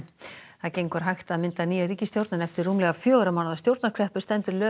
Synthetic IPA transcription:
θaðcejŋkvaɾ̥ɦajxt̪aðmɪnt̪aniːjaɾiːcɪst̪jowɾt̪nanɛft̪ɪrːuːmlɛɣafjœːɣɾamawnðast̪jowɾt̪naɾ̥kʰɾɛhpʏ̥st̪ɛnt̪ʏɾlœː

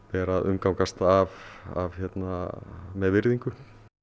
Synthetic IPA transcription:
pɛːɾaðʏmkawkast̪aava̰vçɛt̪namɛðvɪɾðiŋkʏ

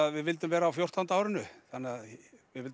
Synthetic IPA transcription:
aðvɪðvɪlt̪ʏmvɛːɾaːwfjowr̥t̪ant̪aaːwɾɪnʏθanːɪað | vɪðvɪlt̪

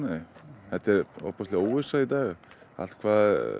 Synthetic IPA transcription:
nɛhɛt̪ɛɾɔ̰pɔst̪lɛowɪsait̪aːɣ | a̰l̥t̪̚kʰvaːð

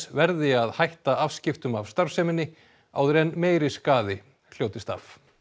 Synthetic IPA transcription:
svɛɾðɪaðhajht̪aav̥scɪft̪ʏmavst̪aɾ̥fsɛmɪnːɪ | a̰wðʏɾɛnmeːjɾɪskaːðɪ | l̥joːwt̪ɪst̪a̰f

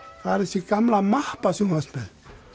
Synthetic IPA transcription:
kaɾisikamlamahpasuŋaspɛ

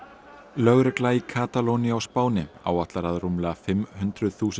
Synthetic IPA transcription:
lœɣɾʏklaikʰaːt̪alowniawspaːwnɪa̰ːwaht̪laɾaðɾumlɪfɪmhʏnt̪ɾʏðθuːs

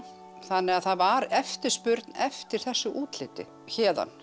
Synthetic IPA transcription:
θanːɛɣaðθaðvaɾɛft̪ɪɾ̥spʏɾt̪nɛft̪ɪɾ̥θɛsːʏʔuːt̪lɪːt̪ɪ̰ | çɛːða̰n

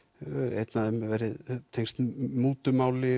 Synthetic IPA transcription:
ḛjt̪naðɛmvɛjɾɪðt̪ʰejŋst̪muːt̪ʏmaːwlɪ

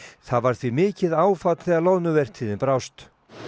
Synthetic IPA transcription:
θaðvaɾ̥θvimɪːcɪðaːwfat̪θɛalownʏvɛr̥t̪ʰːiːðɪnpɾawst̪

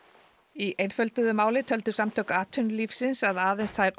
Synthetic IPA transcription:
iʔejnfœlt̪ʏðʏmaːwlɪt̪ʰœlt̪ʏ̥samt̪ʰœwkaːt̪ʰʏnlifsɪnsaðaːðejnst̪θajɾ

